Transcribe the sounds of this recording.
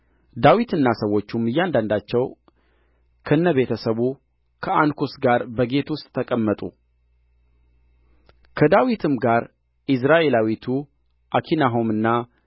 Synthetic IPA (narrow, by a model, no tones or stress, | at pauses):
d̪awit̪ɨnːasəwːo̞t͡ʃːumːɨjːand̪and̪at͡ʃːɛw | kʰəɨnːəβe̞t̪ʰəsəβu | kʰəankʰusɡaɾbəɡe̞t̪wʊst̪ʼːʰəkʼəmːət̪ʼṵ | kʰəd̪awit̪ʰɨmɡaɾ | ʔɪs̬ɾaʔe̞lawit̪ʰu | ʔakʰinaɦo̞mɨnːa